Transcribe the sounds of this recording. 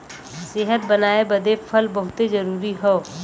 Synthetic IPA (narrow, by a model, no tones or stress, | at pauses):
sɪɦət̪̚bɐnaːebɐd̪efʰəlbɐɦʊt̪ezɐɾuːɾiɦoː